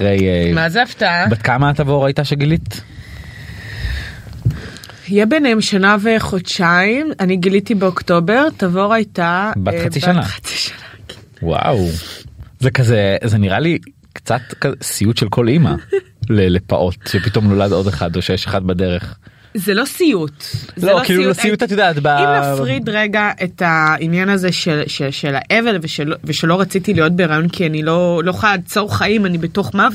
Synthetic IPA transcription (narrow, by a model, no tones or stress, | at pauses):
ʁejmazeavtabat̪̚kamatavoʁajtaʃeɡilit̪ | ijebenemʃanaveχodʃaimaniɡilitibeokto̞be̞ʁtavoʁajtabaχat͡siʃanaχḁt͡si̥ʃḁnḁ | wa̰w | zekazezeniʁali | kt͡sat̪kazesijutʃelkʰo̞lima̰ | lelepa̰ʔo̞tʃepito̞mno̞lado̞deχadoʃejeʃaχad̚badeʁeχ | zelo̞sijutzlokiːlulosijutat̪jodaːt̪baiafʁidʁeɡaʔe̞tainjanazeʃeʃeʃela̰ʔe̞velveʃelveʃelo̞ʁat͡sitilijo̞t̚beʁajo̞nkianilo̞lo̞χaad̚t͡so̞ʁχaimanibeto̞χmav